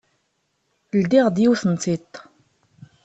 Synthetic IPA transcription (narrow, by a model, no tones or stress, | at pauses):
ld̪iʁd̪jiwθənt͡s̪it̪ː